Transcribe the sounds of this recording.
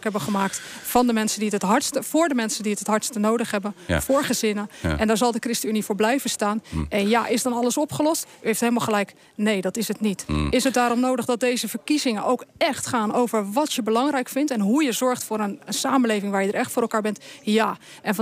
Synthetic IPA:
kɦɛbəχəmaːk̚t | fɑndəmɛnsənditətɦɑɹtstəvʊːɹdəmɛnsəndiətɦətɦɑɹtstənowdəχɦɛbənfʊːɹχəzɪnəʔɛndaːɹzɑlˠdəkrɪstəynivoːɹblɛjvənstaːnɛnjaʔɪsdɑnɑləsɔpχəlɔstyɦejftɦelˠmalˠχəlɛjk | nejdɑtɪsətnitɪsət̚daːɾɔmnowdəχdɑt̚dejzəvəɹkizɪŋənʔowkɛxtχaːnowvəɹʋɑtjəbəlɑŋrɛjkfɪntɛnɦujəzɔɹχtfʊːɾənəsaːmənlejvɪŋʋaːɹjədəɹɛχtfʊːɾɛlˠkaːɹbɛntjaː | ʔɛnf

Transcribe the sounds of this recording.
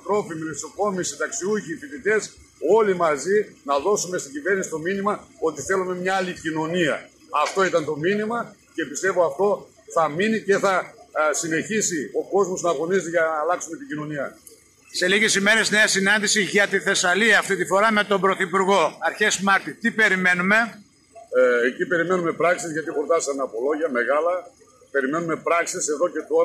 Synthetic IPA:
t̪ɾo̞fimilesoko̞misit̪ɐksiuʝiːfiðit̪e̞s | o̞limɐzinɐðo̞sume̞st̪iɟive̞ɾnisi̥t̪o̞minimɐo̞t̪iθe̞lume̞mɲɐɐlicino̞niɐ̰ | ɐft̪o̞it̪ɐnt̪o̞minimɐce̞pist̪e̞vo̞ɐft̪o̞ | θɐminice̞θɐsine̞çisio̞ko̞zmo̞znɐɣo̞nist̪iʝɐnɐːlɐksume̞t̪iɟino̞niɐ | se̞liʝe̞sime̞ɾe̞zne̞ɐsinɐnd̪isiʝɐt̪iθe̞sɐliɐːft̪it̪ifo̞ɾɐme̞t̪o̞bɾo̞θipuɾɣo̞ɐɾçesmɐɾt̪it̪ipe̞ɾime̞nume̞ | ecipe̞ɾime̞nume̞pɾɐksizʝɐt̪ipɾot̪ɐsɐneɐpo̞lo̞ʝɐme̞ɣɐlɐ | pe̞ɾime̞nume̞pɾɐksise̞ðo̞ce̞t̪o̞ɾɐ

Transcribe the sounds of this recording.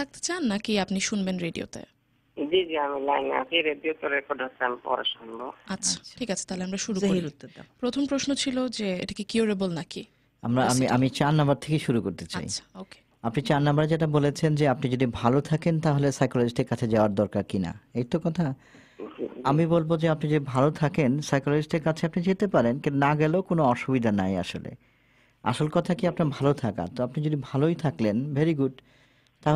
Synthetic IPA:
ak̚t̪e̥t͡ɕanːakiapniʃunbenɾeɖio̰t̪ḛ | d͡ʒid͡ʑiamilajna̰siɾeɖiot̪oɾekoʈatamipɔ̰ɾa̰ʃɔnboatːɕʰḁʈʰikat͡ɕʰe̥t̪aɦoleamɾaʃuɾuoɾiiɾut̪ːot̪apɾot̪ʰompɾoʃnot͡ɕʰilod͡ʑeḛʈakikioɾebolnaki | amɾaamiamit͡ɕanːabaɾt̪ʰekeʃuɾukoɾt̪et͡ɕa̰jt͡ɕʰḁoke̥ | apnit͡ɕanːambaɾed͡ʑeʈ̬abolet͡ɕʰend͡ʑeapnid͡ʑod̪ʱibʱalot̪ʰakent̪aɦolesajkolod͡ʑiʃʈeɾkat͡ɕʰed͡ʑaoaɾd̪ɔɾkaɾkina̰ejt̪okɔt̪ʰa | amibolbod͡ʑeapnid͡ʑod̪ibʱalot̪ʰakensajkoloiʃʈeɾkat͡ɕʰeapnid͡ʑet̪epaɾenkeonaɡɛlokonoɔʃubid̪ʱanaja̰ʃolḛ | a̰ʃolkɔt̪ʰakiapnaɾbʱalot̪ʰaka̰t̪oapnid͡ʑod̪ibʱalojt̪ʰaklenbʱeɾiɡuɖ | t̪aɦo

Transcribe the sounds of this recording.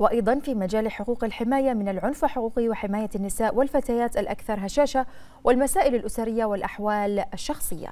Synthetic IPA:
wɪʔɑjd̪ˤɑnfiːmad͡ʒaːlħʊquːqalħɪmaːjamɪnalʕʊnfalħʊquːqɪwɪħɪmaːjaanːɪsaːʔwɪlfat̪aːjaːt̪alʔa̰kθɑɾˤɦaʃaːʃa | wɪlmasaːʔɪlalʔʊsaɾɪjːawɪlʔaħwaːlaʃːɑxsˤɨjːa̰

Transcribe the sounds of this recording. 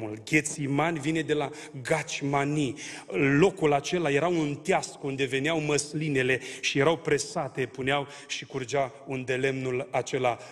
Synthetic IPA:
ulɡʲe̞t̪simanʲvine̞d̪e̞la | ɡat͡ʃʲmani | lo̞kulat͡ʃe̞laje̞ɾaunt̪jaskund̪e̞ve̞neawməsline̞le̞ʃije̞ɾawpɾe̞sat̪e̞puneaw | ʃikurd͡ʒa | und̪e̞le̞mnulat͡ʃe̞la

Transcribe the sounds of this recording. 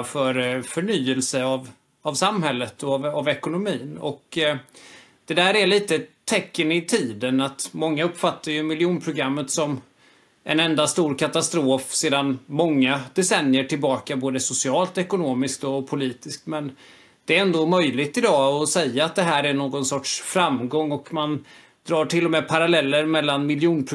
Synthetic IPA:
fœɾfœɳyːəlsəav | avsamɦɛlːət̪ʰɔvavɛkʊnʊmiːnɔ̰k | d̪̥ɛd̪æːɾæɭiːt̪ət̪ʰːɛkːənɪt̪ʰiːd̪ənat̪mɔŋːaɵpːfat̪ʰːaɾjɵmɪljuːnpʰɾʊɡɾamːət̪sɔm | ʔɛ̰nɛnd̪ast̪uːɾkʰat̪ast̪ɾoːfseːd̪anmɔŋːad̪̥ɛsɛnjəʈʰɪlbɑːkaboːd̪əsʊsɪɑːlt̪ɔɛkʊnoːmɪsk̚t̪ɔpʰʊliːt̪ɪskt̪mɛn | d̪̥ɛæɾɛnd̪oːmœjlɪɡt̪ɪd̪ɑːɔsɛjaːt̪̚d̪ɛɦæːɾæɳoːɡɔnsɔʈʂfɾamɡɔŋːɔkman | d̪ɾɑːʈʰɪlːɔmɛːpʰaɾalɛlːəɾmɛlːanmɪljuːnpʰɾ

